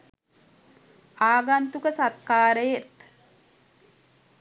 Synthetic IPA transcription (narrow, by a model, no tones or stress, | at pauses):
aːɡant̪ukəsat̪kaːɾəjet̪